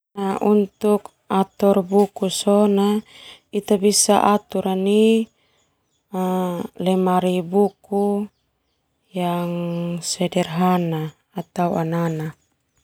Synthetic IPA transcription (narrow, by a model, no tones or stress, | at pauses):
naʔunt̪uk | at̪ɔrbukusɔnait̪abisa̰ʔat̪uɾani | lɛmaɾibuku | jaŋsɛdɛrɦanaː | t̪auanana